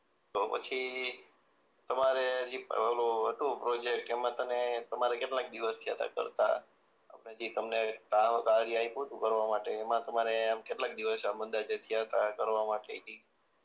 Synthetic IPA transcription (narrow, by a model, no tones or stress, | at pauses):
t̪opə̰t͡ʃʰi | t̪əmaɾead͡ʒiəloəʈupɾod͡ʒek̚ʈemãt̪ənet̪əmaɾekeʈlãk̚d̪iʋəst̪ʰiɦət̪a̰kə̰ɾt̪a̰ | a̰pəned͡ʒit̪əmnekakaɽiaiput̪ũkəɾʋamaʈeːmãt̪əmaɾeamkeʈlak̚d̪iʋəsamənd̪ad͡ʒet̪ʰiaɦət̪akəɾʋamaʈeit̪i